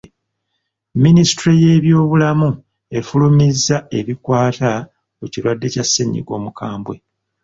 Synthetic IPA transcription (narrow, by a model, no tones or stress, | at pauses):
minisi̥tɾije̞ːβjo̞ːβulamu | e̞fulumizːae̞βikwaːta | uciɾwadːe̞casːeɲːḭɡwo̞̰ːmukaːmbwe̞